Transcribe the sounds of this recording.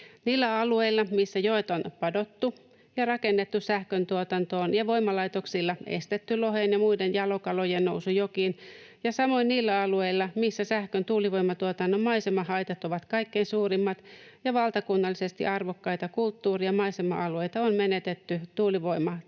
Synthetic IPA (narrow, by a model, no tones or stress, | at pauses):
niːlːæɑlueilːɑmisːæjoet̪onpɑdo̞t̪ːu | jɑrɑkenːet̪ːussæhkønt̪uot̪ɑnt̪oːnjɑʋoimɑlɑit̪oksilːɑḛst̪et̪ːyloɦeːnjɑmuidenjɑlokɑlojennousujokinjɑsɑmo̞inniːlːæɑlueilːɑmisːæsæhkønt̪uːliʋoimɑt̪uot̪ɑnːommɑisemɑhɑjt̪ɑt̪oʋɑt̪kɑikːeinsuːrimːɑt̪jɑʋɑlt̪ɑkunːɑlːisest̪ḭʔɑrʋokːɑit̪ɑkult̪ːuːriɑmɑisemɑ̰ʔɑlueit̪ɑonmenet̪et̪ːyt̪uːliʋoimɑ